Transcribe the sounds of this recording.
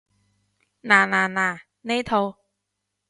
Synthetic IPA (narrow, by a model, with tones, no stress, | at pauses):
naː˨˩naː˨˩naː˨˩˨ | ne˦˥t̪ʰo˧